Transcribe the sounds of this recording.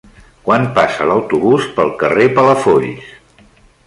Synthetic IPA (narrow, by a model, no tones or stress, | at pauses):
kwanpasələwt̪uβuspəlˠkərepələfoʎ